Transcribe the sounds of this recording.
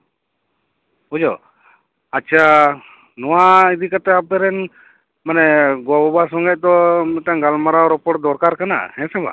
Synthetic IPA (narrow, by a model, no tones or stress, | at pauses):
ɔd͡ʒɔ | at͡ʃʰa | nɔwaid̪ikat̪ɛapɛɾɛn | manɛɡɔbɔbasɔŋɡɛʔ̚t̪ɔmɛʈaŋɡalmaɾaɾɔpɔʈd̪ɔɾkaɾkana̰hɛ̃sɛba̰